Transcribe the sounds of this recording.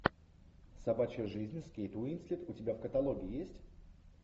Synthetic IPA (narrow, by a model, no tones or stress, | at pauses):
sɐbat͡ɕɪjəʐɨzʲnʲskʲejt̪ʊinsʲlʲit̪ʊtʲɪbʲafkət̪ɐlˠoɡʲɪːjesʲtʲ